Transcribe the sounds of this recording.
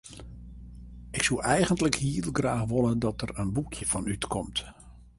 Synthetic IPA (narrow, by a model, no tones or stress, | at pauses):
ʔɪksulʔɛjɣəntləkhiːlˠɡraːxʋolədɔtərənbukʰjəv̥ɔnytkʰɔmt